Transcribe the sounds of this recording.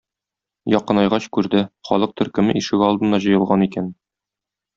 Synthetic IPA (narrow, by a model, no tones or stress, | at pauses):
jɒqɤ̆nɑjʁɑɕkʉɾd̪ɘχɒlˠɤq̚t̪ʰɵ̆ɾkɘ̆mɘʔiʃɘ̆ɡɒlˠd̪ɤ̆nɑʑɤ̆jɤ̆lˠʁɑnikæn